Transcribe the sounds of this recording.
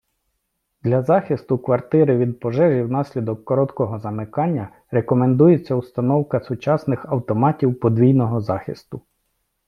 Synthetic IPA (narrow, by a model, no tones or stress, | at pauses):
d̪lʲɐzɑxɪst̪ʊkʋɐrt̪ɪɾɪʋʲid̪̚pɔʒɛʒiwnɑsʲlʲid̪ɔkːɔɾɔt̪kɔɦɔzɐmɪkɑnʲːɐ | ɾekɔmend̪ujet͡sʲːɐust̪ɐnɔwkɐsʊt͡ʃɑsnɪxɐwt̪ɔmɑtʲiwpɔd̪ʋʲijnɔɦɔzɑxɪ̰st̪ʊ